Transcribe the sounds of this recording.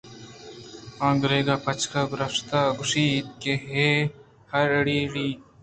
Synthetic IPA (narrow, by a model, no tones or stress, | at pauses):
ãːŋɡɾeːɡaːpɐt͡ʃʰkaɡʊɾɐʂt̪aːɡʊʂiːt̪̚keɦeː | hɐɾɽiːɽiː